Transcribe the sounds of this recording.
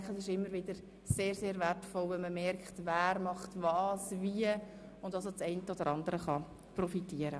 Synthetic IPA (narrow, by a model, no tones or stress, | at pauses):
ŋkχəsɪʃɪmːəɾvɪd̥əɾ | seːɾseːɾvɛrtfɔlʋɛnməmɛɾkχtvæːɾmɑχtvɑːsviə | ʊndɑsot͡sɛɪntəod̥əɾʔɑndəɾəχɑ | prɔfitiːəɾə